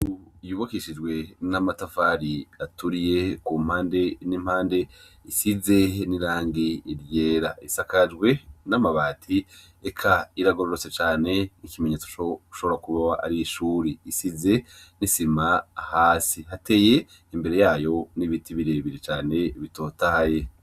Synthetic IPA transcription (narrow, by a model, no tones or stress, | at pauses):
ujuβakiʃid͡ʒɡwe̞namatafaːɾiatuɾije̞kum̥haːnde̞nim̥haːnde̞ | isize̞niɾaːŋɡiiɾje̞ːɾaisakad͡ʒɡwe̞namaβaːtʰi | ekʰaiɾaɡo̞ɾoɾot͡se̞t͡ʃaːne̞nicimeɲet͡su̥ou̥ʃo̞βoɾakuβaaa̰ɾiiʃuːɾiːsize̞ | nisimahaːsiɦate̞je̞ | imbe̞ɾe̞jaːjo̞niβitiβiɾe̞βiɾit͡ʃaːne̞βito̞ːtahaje̞